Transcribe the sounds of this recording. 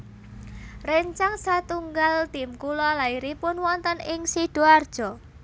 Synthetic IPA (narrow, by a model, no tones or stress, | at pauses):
reɲt͡ʃaŋsat̪uŋɡalt̪imkulɔlaiɾipʊnwɔnt̪ənɪŋsid̥oard̥ʒ̥ɔ